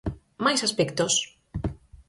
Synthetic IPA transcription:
majsaspɛkt̪os

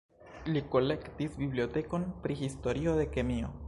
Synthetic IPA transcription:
likolekt̪isbiβljot̪ekonpɾixist̪oɾioðekemio

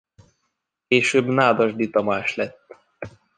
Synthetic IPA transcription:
keːʃøːbnaːd̪ɒʒd̪it̪ɒmaːʃlɛt̪ː

